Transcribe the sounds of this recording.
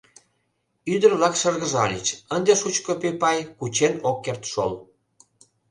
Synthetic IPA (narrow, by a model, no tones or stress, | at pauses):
yd̪ərβlɑkʃərɣəʒɑlʲḭt͡ɕənd̪eʃut͡ɕkopepɑjkut͡ɕenokːert̪ʃo̰l